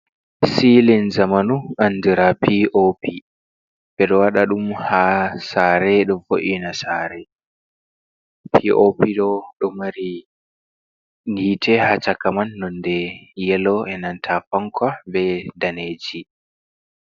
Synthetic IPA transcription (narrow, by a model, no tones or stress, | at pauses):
silinzamanuʔanːdiɾapiopʰi | bɛɗɔwaɗaɗumhasaɾɛɗɔfoʔinasaːɾɛ | pʰiʔopiɗɔɗɔmaɾi | nitʰɛhat͡ʃakamanːɔndɛjɛlɔɛnantʰafaŋkʰabɛdaneːd͡ʒi